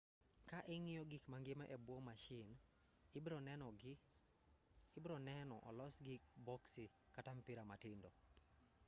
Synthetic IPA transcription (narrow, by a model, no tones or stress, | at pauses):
kaʔɛŋɪjɔɡikmaŋɡɪmaʔebwɔmaʃɪn | bɾɔɛnɔ | bɾɔnɛnɔ̰ʔɔ̰lɔsɡik̚bɔksi | katampiɾama̰tɪndɔ